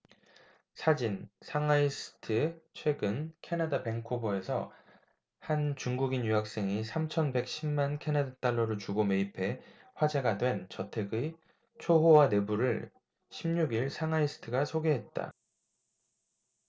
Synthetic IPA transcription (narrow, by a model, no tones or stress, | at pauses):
sʰad͡ʑinsʰaŋais͈ɯ̥tʰɯt͡ɕʰwe̞ɡɯnkʰe̞nadape̞ŋkʰoboe̞sʰʌ̰ | hant͡ɕuŋɡuɡinjuɦak̚s͈e̞ŋisʰamt͡ɕʰʌnbe̞k̚ɕ͈ʰimmankʰe̞nadat͈aɭːʌɾot͡ɕuɡome̞ipʰe̞ɸwad͡ʑe̞ɡadwe̞nt͡ɕʌtʰe̞ɡɯ | t͡ɕʰoɦowane̞buɾɯ̰ɭ | ɕʰimɲuɡiɭsʰaŋais͈ʰɯ̥tʰɯɡasʰoɡe̞ɦe̞t̚t͈a̰